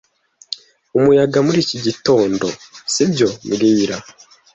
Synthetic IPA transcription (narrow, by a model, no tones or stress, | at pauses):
umujaɡamuɾiːciɟito̞ːndo̞sibɟo̞mɡiːɾa